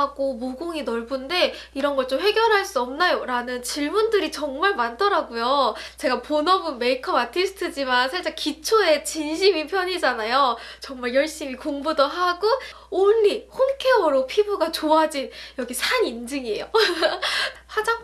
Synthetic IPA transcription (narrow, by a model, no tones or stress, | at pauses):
aɡ̥omoɡoŋinʌɭbunde̞ | iɾʌnɡʌɭt͡ɕ͈omɸe̞ɡjʌɾɦaɭs͈uʌmnajoɾanɯnt͡ɕiɭmundɯɾit͡ɕʌŋmaɭmantʰʌɾaɡujot͡ɕe̞ɡaponʌbɯnme̞ikʰʌbatʰisʰɯ̥tʰɯd͡ʑimansʰat͡ɕ͈ekit͡ɕʰoe̞t͡ɕinɕ̬ʰimipʰjʌɲid͡ʑanajot͡ɕʌŋmaɭjʌɭɕ͈imikoŋbudoɦaɡo | oɭːihonkʰe̞ʌɾopʰibuɡat͡ɕoad͡ʑinjʌɡisʰaɲind͡ʑɯŋiḛjo | ɸad͡ʑaŋ